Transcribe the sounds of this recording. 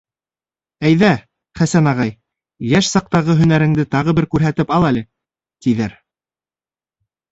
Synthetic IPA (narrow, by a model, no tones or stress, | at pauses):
æjðæ | χæsænɑʁɑj | jæʃsɑq̚t̪ɑʁɤɦɵ̆næɾɘ̆ŋd̪ɘt̪ɑʁɤbɘɾkʉɾɦæt̪ɘpɑlˠælɘ | t̪iðæɾ